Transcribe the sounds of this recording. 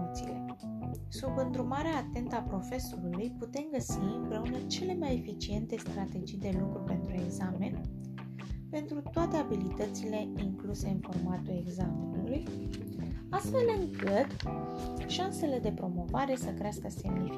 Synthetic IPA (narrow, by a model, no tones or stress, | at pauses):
t̪sile̞ | subɨnd̪ɾumaɾeaːt̪e̞nt̪apɾo̞fe̞so̞ɾulujput̪e̞mɡəsiɨmpɾe̞unət͡ʃe̞le̞maje̞fit͡ʃie̞nt̪e̞st̪ɾat̪e̞d͡ʒijd̪e̞lukɾupe̞nt̪ɾue̞ɡzame̞n | pe̞nt̪ɾut̪oat̪e̞abilit̪ət̪sile̞iŋkluse̞ɨnfo̞rmat̪ue̞ɡzame̞nuluj | ast̪fe̞lɨŋkɨt̪ | ʃanse̞le̞d̪e̞pɾo̞mo̞vaɾe̞səkɾeaskəse̞mni